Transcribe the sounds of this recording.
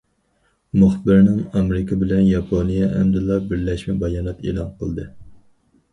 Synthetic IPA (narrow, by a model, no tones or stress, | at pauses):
mʊχbɪɾnɪŋɑmɾɪkʰɑbɪlɛnjɑpʰonijɛɛ̰md̪ɨlˠːɑbɪɾlɛʃmɪbɑjɑːnɛt̪ḛːlˠɑnqʰəlˠd̪ɨ